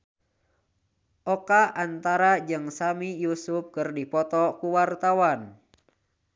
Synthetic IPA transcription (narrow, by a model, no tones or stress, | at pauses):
ʔɔkaʔant̪aɾad͡ʒɨŋsamijusup̚kɨrdipɔt̪ɔkuwart̪awan